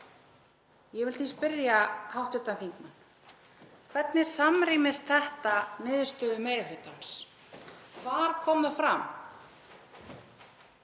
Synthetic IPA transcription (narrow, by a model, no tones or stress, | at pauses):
jɛɣvɪlθispɪɾjahawht̪ʏɾt̪anθiŋkman | kʰvɛt̪nɪ̥samɾiːmɪst̪θɛht̪anɪːðst̪œːðʏmɛjɾɪɦʏːt̪ans | kʰvaɾ̥kʰɔːmʏfɾam